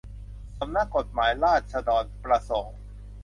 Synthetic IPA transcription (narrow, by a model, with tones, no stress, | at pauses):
sa˨˦mna˦˥ko˨˩t̪̚maː˩˦jlaː˥˩t̪̚sa˧dɔː˨˩n̚pɾa˧so˨˩˦ŋ